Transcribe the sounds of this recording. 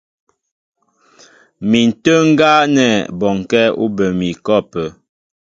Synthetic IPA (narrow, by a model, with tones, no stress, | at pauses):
mi˨n̩˨tə˦ŋ̩˦ɡa˦nɛ˦˨bɔ˨ŋ˨kɛ˦ṵ˦bə˨mi˨kɔ˦˨pə˨